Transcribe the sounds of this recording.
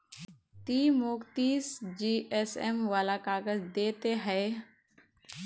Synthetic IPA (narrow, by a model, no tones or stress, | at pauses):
t̪iːmoːkt̪iːsd͡ʒiːʔesemʋaːlakaːɡəzd̪eːt̪eɦɛː